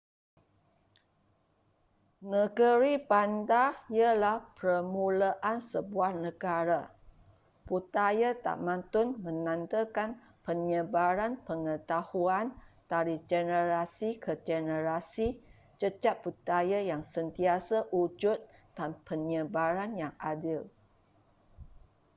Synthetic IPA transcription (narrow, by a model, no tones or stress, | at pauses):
nəɡəɾipandaiəlahpəmũlaʔansəbuahnəɡaɾa | put̪ajat̪a̰ʔmãnt̪ʊnmə̃nãnt̪əkan | pəɲəbaɾanpəŋət̪ahuantaɾid͡ʒənəɾasikʰəd͡ʒənəɾasi | t͡ʃəd͡ʒaput̪ajajaŋsənt̪iasaʔud͡ʒʊt̪̚d̥anpəɲəbaɾanjaŋʔadɪl